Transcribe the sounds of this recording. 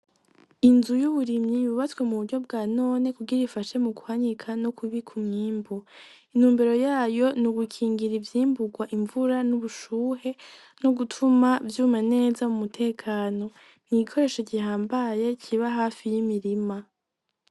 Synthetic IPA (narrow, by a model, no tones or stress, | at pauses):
inzujuβuɾimɲiβuβatwe̞muβuɾɟo̞bɡaːno̞ːne̞kuɡiɾifaʃe̞mukuhaɲikʰanokʰuβikʰumɲiːmbu | inhuːmbeɾo̞jaːjo̞nuɡukʰiːŋɡiɾivjiːmbuɡwaʔiɱvuɾanuβuʃuːɦe̞ | no̞ɡutʰumavjuːmane̞ːzamumutʰe̞ːkʰaːno̞ | iɡikʰo̞ɾe̞ːʃoɟihaːmbaje̞cʰiβaɦaːfijimiɾima